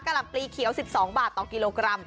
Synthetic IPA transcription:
ka˧la˨˩pliː˧kʰi˨˩˦wsi˨˩p̚sɔː˩˦ŋbaː˨˩t̪ːɔː˨˩kiː˧loː˧kɾa˧m

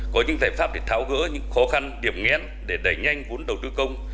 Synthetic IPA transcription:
kɔ˨˦ɲɨ̰˧˥ŋzaː˨˧˩jfaː˦˥p̚ɗe˧˩t̪ʰaː˨˦wɣɨ̰˧˥ɲɨ̰˧˥ŋxɔ˨˦xa˧nɗi˧˩əmŋɛ˨˥n | ɗe˧˩ɗə˧˩jɲa˧jŋ̟vu˨˦nɗə˨˩wt̪ɨ˧kə˧wŋ͡m

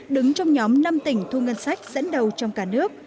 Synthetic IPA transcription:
ɗɨ˨˦ŋt͡ɕɔ˧wŋ͡mɲɔ˨˦mna˧mt̪ï˧˩ŋ̟t̪ʰu˧ŋə˧nsa˦˥jk̟̚z̥ə̰˧˥nɗə˨˩wt͡ɕɔ˧wŋ͡mkaː˧˩nɨ˦˥ək̚

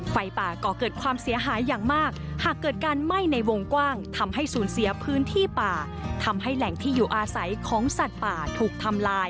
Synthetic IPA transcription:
fa˧jpaː˨˩kɔː˧˩kɤː˨˩t̪̚kʰwaː˧msi˨˩˦ɐɦaː˩˦jːaː˨˩ŋmaː˥˩k̚haː˨˩kːɤː˨˩t̪̚kaː˧nma˥˩jna˧jwo˧ŋkwaː˥˩ŋt̪ʰa˧mɦa˥˩jsuː˩˦nsi˩˦ɐpʰɯː˦˥nt̪ʰiː˥˩paː˨˩ | t̪ʰa˧mɦa˥˩jlɛ˨˩ŋt̪ʰiː˥˩juː˨˩ʔaː˧sa˩˦jkʰɔː˩˦ŋsa˨˩t̪̚paː˨˩t̪ʰuː˨˩k̚t̪ʰa˧mlaː˧j

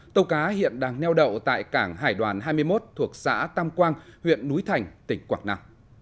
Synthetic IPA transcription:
t̪ə˧wkaː˨˦hḭ˧˨ənɗaː˧ŋnɛ˧wɗə̰˧˨wt̪a̰ː˧˨jkaː˧˩ŋɦaː˧˩jɗwaː˨˩nɦaː˧jmɨ˧əjmo˦˥t̚t̪ʰu˨˩ək̚sa̰ː˧˥t̪aː˧mkwaː˧nhwḭ˧˨ənːu˨˦jt̪ʰa˨˩jŋ̟t̪ï˧˩ŋ̟kwaː˧˩ŋ̚na˧m

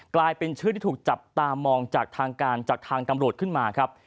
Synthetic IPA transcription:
klaː˧jpe˧nt͡ɕʰɯ˥˩t̪ʰiː˥˩tʰuː˨˩k̚t͡ɕa˨˩p̚t̪aː˧mɔː˧ŋt͡ɕaː˨˩k̚t̪ʰaː˧ŋkaː˧nt͡ɕaː˨˩k̚t̪ʰaː˧ŋt̪a˧mɾu˨˩ət̪̚kʰɯ˥˩nmaː˧kʰɾa˦˥p̚

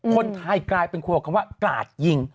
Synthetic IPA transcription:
kʰo˧nt̪ʰa˧jklaː˧jpe˧nkʰu˧˩˨kʰa˧mwaː˥˩kla̰ː˨˩t̪̚ji˧ŋ

